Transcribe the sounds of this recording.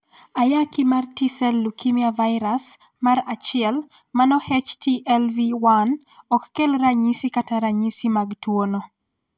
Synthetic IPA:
ajakimartisɛlːukimiavaɪɾas | maɾat͡ʃɪɛl | manɔhɛt͡ʃtiʔɛlviwan | ɔkːɛlɾaɲisikataɾaɲisimaɡtwonɔ

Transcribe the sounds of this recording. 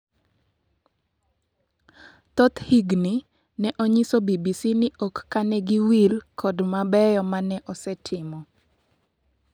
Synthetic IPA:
t̪ɔt̪hiɡni | nɛʔɔɲisobibisinɪʔokːanɛɡiwilkʰɔdmabɛjɔmanɛʔɔsɛtʰɪmɔ

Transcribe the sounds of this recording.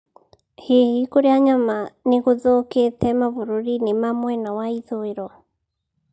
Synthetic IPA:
hehikoɾeaɲamaneɣoðoketɛmavoɾoɾinemamwɛnawaiðoeɾɔ

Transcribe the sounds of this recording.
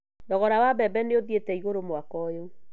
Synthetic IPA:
dɔɣɔɾawabɛbɛneoðietɛiɣoɾomoakɔjo

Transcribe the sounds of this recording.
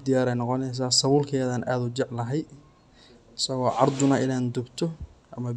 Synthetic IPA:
d̪ɪjaːɾɛjnɑqɔnɛjs̬aːsɐβuːlkʰɛːðaːnʔaːd̪ʊt͡ʃɛʕlɐɦɛj | ɪsɐɣɔːʕɑrd̪ʊnɐʔɪnaːnd̪ʊbt̪ʰɔʔɐmɐ

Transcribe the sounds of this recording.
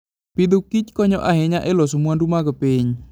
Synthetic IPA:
pid̪ukit͡ʃkɔɲɔʔaɦeɲaʔɛlɔs̬umuandumaɡɔpiɲ

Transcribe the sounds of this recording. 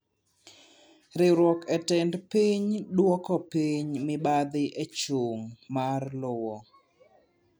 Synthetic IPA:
ɾɪɾwɔkɛtɛndpiɲdwɔkɔpiɲmɪbad̪ɪʔet͡ʃuŋmarlʊwɔ

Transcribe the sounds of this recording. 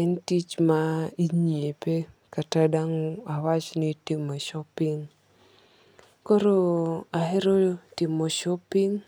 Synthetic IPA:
ɛntit͡ʃmaiɲiepekatadaŋoawat͡ʃnɪtɪmoʃɔpɪŋ | koɾoaɦeɾotɪmːoʃɔpiŋ

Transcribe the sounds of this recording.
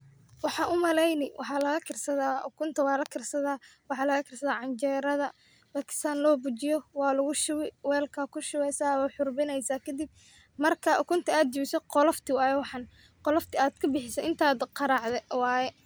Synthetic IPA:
wɑħɑʔʊmɐlɛjnɪwʔɑħɑːlɐɣɐkʰɪrsɐðaːʊkʰʊnt̪ʰɐwɑːlɐkʰɪrsɐðaːwɑħɑːlɐɣɐkʰɪrsɐðaːʕɑɲt͡ʃɛːɾɐðɐ | baːkʰɪ̥st̪ʰaːnlɔːbʊt͡ʃɪjɔwɑːlʊɣʊʃʊwɪwɛːlkʰɐkʰʊʃʊwɛjsaːwaħʊrbɪnɛjsaːkʰɐd̪ɪb̚ | mɐrkʰɐʔʊkʰʊnt̪ʰɐaːd̪̚t͡ʃɪβɪsɔqɔlɔft̪ʰɪwɑːjɛwɑħɑn | qɔlɔft̪ʰɪaːd̪kʰɐbɪħɪsɐʔɪnt̪ʰaːd̪qɑɾɑʕðɛwɑːjɛ

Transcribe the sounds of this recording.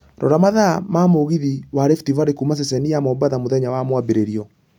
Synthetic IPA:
ɾɔ̰ɾamaðamamoɣiðiwaɾɛftivaɾekumas̬ɛsɛnijamɔbaðamoðɛɲawamwabeɾeɾiɔ

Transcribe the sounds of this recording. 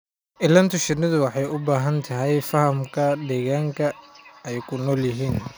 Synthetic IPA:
ʔɪlːɐnt̪ʰʊʃɪrnɪðʊwɑħɑjʊbaːɦɐnt̪ʰɐɦɛjfɐhɐmkʰɐd̪ɛːɣaːŋkʰɐɛjkʰʊnɔːljɪɦiːn

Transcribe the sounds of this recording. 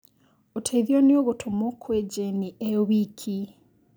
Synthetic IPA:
otʰaiðjonioɣutʰomokwed͡ʒeniewikʰi

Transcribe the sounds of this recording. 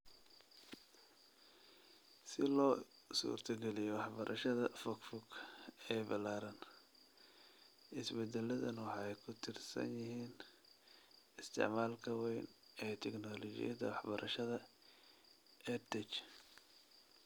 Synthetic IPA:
sɪlɔː | sṵːrt̪ʰɐɡɛlɪjɔwɑħbɐɾʔɐʃɐðɐfɔkfɔkɛːbɐlaːɾɐn | ʔɪsbɛd̪ɛlɐðɐnwɑħɑɛjkʰʊt̪ʰɪrsɐ̰njɪɦiːn | ɪst̪ʰɪ̰ʕmaːlkʰɐwɛjnʔɛːt̪ʰɛknɔːlɔt͡ʃɪ̰jɐd̪ɐ̰wɑħbɐɾʔɐʃɐðɐ | ɛt̪ʰɛt͡ʃ

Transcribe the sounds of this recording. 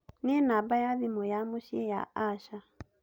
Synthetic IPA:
nenabajaðimɔjamoʃiɛja̰ʔaʃa

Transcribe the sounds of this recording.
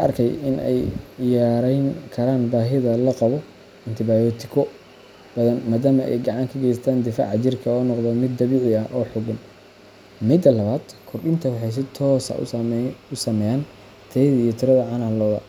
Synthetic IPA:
kɐ̰rkʰɛjɪ̰nʔɛ̰jjaːɾɛjŋkʰɐɾaːnbaːɦɪðɐlɐqɑβɔ | ɪnt̪ʰɪbaːjɔːt̪ʰɪ̥kʰɔ | b̥ɐðɐnmaːðaːmɐʔɛ̰jɡɑʕɑŋkʰɐɡɛjst̪ʰaːnd̪ɪfa̰ːʕɑt͡ʃɪrkʰɐɔːnɔqðɐmɪd̪ːɐβiːʕɪɐʔɔːħʊɡʊn | mɪd̪ɐlɐβaːd̪̥kʰʊrɗɪnt̪ʰɐwɑħɑjs̬ɪt̪ʰɔːsɐ̰ | ʊsɐmɛjaːn | t̪ʰðɐijɔt̪ʰɪɾɐðɐʕɑnɐhlɔːðɐ̰

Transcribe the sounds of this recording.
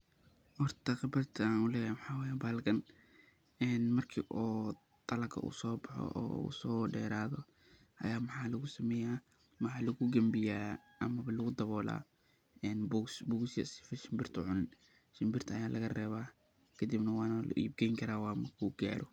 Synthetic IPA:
hɔrt̪ʰɐqɪbɐrt̪ʰɐaːnʊlɛːjajmħɑːwaːjaːbaːlkɐn | ɛːnmɐrkʰiːʔɔː | t̪ʼɐlɐkʰɐ̰ʔṵːsɔːbɑħɔ̰ʔɔ̰ːṵsɔːɖɛːɾaːðɔ | ʔɐ̰jaːmɑħɑːlɐɣʊsɐmɛːjaː | mɑħɑːlɐɣʊɡɐmbɪjaːʔɐmɐβɐlɐɣʊd̪ɐβɔːla̰ː | ɛːnbsbɔɡsjɐ̰sɪ̥fɛʃɪmbɪrt̪ʰʊ̰ʕʊn | ʃɪmbɪrt̪ʰɐɐjaːlʔɐɣɐrɛːβaː | kʰɐd̪ibnɐwɑːnɐlʊ̰ʔḭːb̚ɡɛjŋkʰɐɾaːwaːmɐrkʰuɡa̰ːɾɔ

